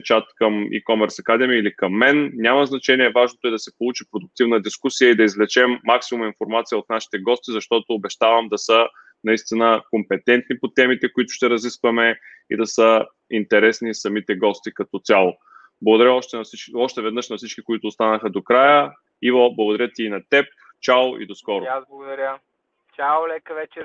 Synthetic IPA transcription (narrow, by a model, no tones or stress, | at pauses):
t͡ʃat̪kəmḭkɔmɛɾsɐkad̪ɛmiilikɐmːɛnnʲamɐznɐt͡ʃɛniɛvaʒnot̪oɛd̪ɐsɛpolˠut͡ʃipɾod̪ʊk̚t̪ivnəd̪iskusijəid̪ɐizvlɛt͡ʃɛmːaksimuminfoɾmat̪sijəot̪naʃi̥t̪ɛɡɔst̪izɐʃt̪ɔt̪oːbɛʃt̪avɐmd̪ɐsə | nɐist̪inəkompɛt̪ɛnt̪nipot̪ɛmit̪ɛkoit̪ʊ̥ʃt̪ɛɾɐziskvɐmɛ | ḭd̪ɐsə | int̪ɛɾɛsnisɐmit̪ɛɡɔst̪ikɐt̪ɔt̪sʲjalˠo | blˠɡod̪ɐɾʲəɔʃt̪ɛiɔʃt̪ɛvɛd̪nɤʃnɐfsit͡ʃkʲikoit̪ʊːst̪anəxəd̪okɾajə | ivblˠɐɡod̪ɐɾjət̪iːnɐt̪ɛp̚ | t͡ʃalḭd̪oskɔɾoazblˠɐɡʊd̪ɐɾʲjə | t͡ʃalɛkəvɛt͡ʃɛ